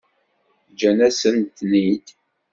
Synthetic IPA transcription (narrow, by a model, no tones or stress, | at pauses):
d͡ʒænæsənt̪nid̪